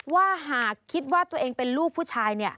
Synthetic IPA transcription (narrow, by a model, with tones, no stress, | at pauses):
waː˥˩ɦaː˨˩kʰːi˦˥t̪̚waː˥˩t̪u˧ɐʔeː˧ŋpe˧nluː˥˩k̚pʰːu˥˩t͡ɕʰaː˧jni˥˩ɐ